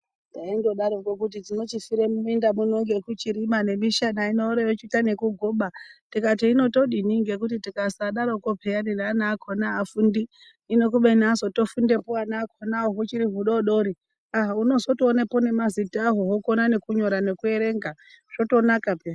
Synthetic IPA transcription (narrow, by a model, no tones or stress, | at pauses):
daindo̞ɗaɾokokut̬id͡zino̞t͡ʃifiɾemuuendamuno̞ŋɡe̞kut͡ʃiɾimane̞miʃanainoɾeʋet͡ʃitane̞kuɡʱoːɓatikatiino̞to̞ɗiniŋɡe̞k̬utitikasaɗaɾokopʰeaninaːnakʰonaːfundi | ino̞k̬uɓenazo̞to̞funde̞poanaːkʰonaoɦut͡ʃiɾiɦuɗoɗo̞ɾi | aɦauno̞zo̞toːnepo̞ne̞mazitaɦoɦokonane̞kuɲo̞ɾane̞kue̞ɾe̞ːŋɡa | ʐo̞to̞nakape